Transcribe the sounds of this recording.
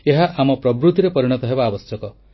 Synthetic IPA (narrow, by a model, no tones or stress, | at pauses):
eɦaʔamɔpɾɔbɾut̪iɾepɔɾiɽ̃ɔt̪ɔɦebaːbɔsjɔkɔ